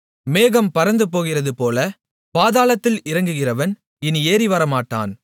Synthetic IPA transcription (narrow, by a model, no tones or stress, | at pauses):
meːɣɐmpɐɾɐnd̪ɯpoːɣɪrɐðɯpoːlɐ | paːðaːlɐt̪ːɪlɪɾɐŋɡɯɣɪrɐʋɐn | ɪnieːɾɪʋɐɾɐmaːʈːa̰ːn